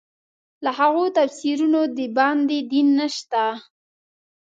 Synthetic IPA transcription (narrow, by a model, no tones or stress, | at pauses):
lahaɣot̪afsiɾunod̪əbɑnd̪ed̪inːəʃt̪a